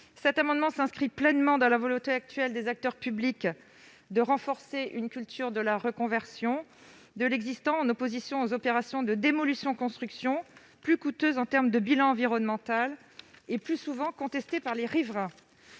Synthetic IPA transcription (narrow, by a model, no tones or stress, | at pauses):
sɛt̪amɑ̃d̪mɑ̃sɛ̃skχiplɛnmɑ̃d̪ɑ̃lavɔlɔ̃t̪eak̚t̪ɥɛld̪ezak̚t̪œʁpyblik | d̪əʁɑ̃fɔʁseʔynkʲylt̪ʰyʁd̪əlaʁəkɔ̃vɛʁsjɔ̃ | d̪əlɛɡzist̪ɑ̃ɑ̃nɔpozisjɔ̃ozɔpeʁasjɔ̃d̪əd̪emɔlysjɔ̃kɔ̃st̪χyksjɔ̃ | plykut̪øzɑ̃t̪ɛʁmd̪əbilɑ̃ɑ̃viʁɔnmɑ̃t̪al | eplysuvɑ̃kɔ̃t̪ɛst̪epaʁleʁivʁɛ̃